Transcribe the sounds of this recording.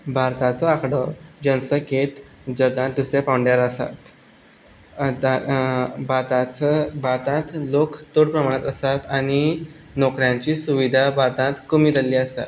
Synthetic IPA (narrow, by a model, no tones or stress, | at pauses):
bʱaɾt̪ãt͡sɔakɽɔd͡ʑənsəket̪ | d͡ʑəɡãt̪̚d̪usɾjapawɳɖjaɾasa̰t̪ | bʱaɾt̪at͡səbʱaɾt̪ãt̪lokt̪oɽpɾəmaɽ̃at̪əsat̪aɽ̃i | nɔkɾjãɲt͡ɕiːsuʋid̪ʱabʱaɾt̪ãt̪kumiːd̪əlːiːəsa̰t̪